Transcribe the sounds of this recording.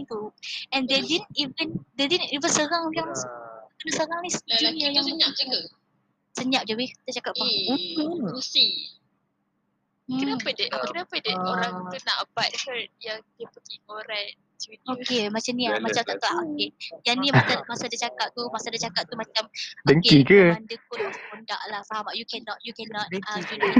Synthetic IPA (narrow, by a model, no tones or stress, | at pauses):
ŋt̪uɛ̃ndedinivəndedidivənsəɾaŋjaŋskənasəɾaŋnisd͡ʒiniajaŋsəap̚d͡ʒuɡa | səɲap̚d͡ʒawikiit̪at͡ʃakaʔaukəusi | apədəʔapknapədəoɾaŋunaʔbat̚hət̚jaŋdəpəɡikoɾɛt̚ | t͡ʃuokemat͡ʃamniamat͡ʃamt̪aʔt̪aaʔokejanimasamasadət͡ʃakap̚t̪umasadət͡ʃakap̚t̪umat͡ʃamdəŋkeikəandəkʊt̚asapəndaʔlahfaɦamaʔjukɛnɔt̚jukɛnɔt̪dŋad͡ʒu